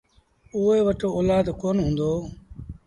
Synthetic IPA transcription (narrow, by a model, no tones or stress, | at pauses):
ʊːeːʋəʈoːoːlaːd̪koːnɦũːnd̪oː